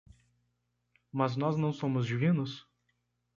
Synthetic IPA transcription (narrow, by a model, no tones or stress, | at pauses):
mɐznɔznɐ̃w̃sõmʊzd͡ʒivĩnʊs